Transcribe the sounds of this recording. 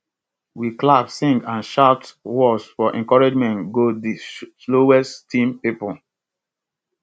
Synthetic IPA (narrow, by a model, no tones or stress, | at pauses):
wiklabsĩŋɡãnʃaʊtwɔsfɔʔɛ̰̃ŋkɔɹed͡ʒmɛ̃ntɡodisloɛsttʰĩmpipɔ